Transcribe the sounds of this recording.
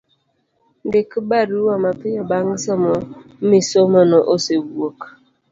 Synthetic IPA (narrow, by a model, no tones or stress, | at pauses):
n̩dɪkibaɾuwamapɪjɔbaŋ̩sɔmɔmisomɔnɔʔosebuok